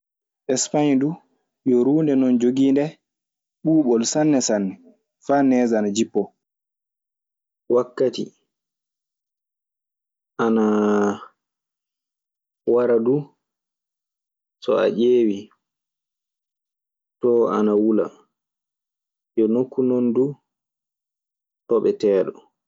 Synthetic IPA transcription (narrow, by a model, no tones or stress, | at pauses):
ʔɛspaɲdu | jɔɾuːndɛnɔnd͡ʒoɡiːndɛ | ɓuːɓɔlsanːɛsanːɛ | faːnɛːzanad͡ʒipːɔ | wakːati | ʔana | waɾadu | sɔ̰a̰ʔeːwi | tɔanawula̰ | jɔnokːunondu | tɔɓɛtɛːɗɔ